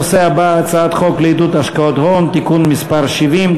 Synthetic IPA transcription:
seabaːt͡saat̪χo̞kleid̪ut̪aʃkaot̪hont̪ikunmispaʁʃivim

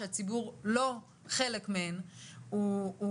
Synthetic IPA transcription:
eat͡sibuʁlo̞ | χe̞lekmeenuː

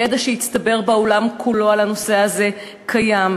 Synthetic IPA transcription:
jed̪aʃejist̪ɐbe̞ʁbaolamkʰulo̞alano̞se̞aze̞ | kʰajam

